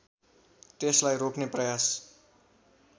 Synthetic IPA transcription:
t̪eslajropneprʌjas

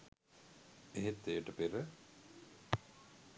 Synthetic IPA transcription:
eɦet̪ːeːəʈəpeɾə

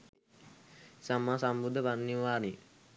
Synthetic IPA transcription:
samːaːsambud̪ʱːəpanːiʋaːni

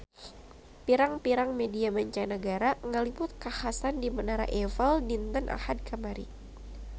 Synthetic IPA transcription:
piɾaŋpiɾaŋmediamaɲt͡ʃanəɡaɾaŋəlipʊt̪̚kahasandimənaɾa̰ʔɛvəldint̪ənʔa̰had̪̚kʰəmaɾḭ

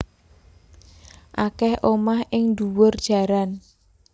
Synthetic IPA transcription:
ʔakɛhʔomahʔɪŋd̪uwʊrd̥ʒ̥a̤ɾan

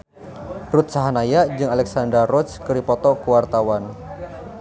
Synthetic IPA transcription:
rut̪̚saɦanajad͡ʒɨŋalɛksandarɔskəɾipɔt̪ɔkuwart̪awan

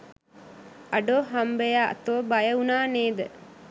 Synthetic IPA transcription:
aɖoːɦambeja̰t̪oʋəbajəunaːneːd̪ə

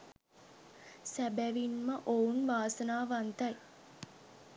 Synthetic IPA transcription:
sæbæʋinməʔounʋaːsənaːʋant̪ɐj

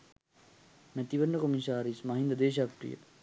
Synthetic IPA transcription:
næt̪iʋənːəkomisaːɾismaɦind̪əd̪eːʃ̬akʈɾḭjə̰

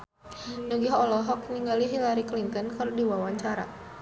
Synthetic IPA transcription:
nuɡiɦɔlɔɦɔk̚niŋɡaliɦilaɾiklint̪ənkɨrdiwawaɲt͡ʃaɾa̰

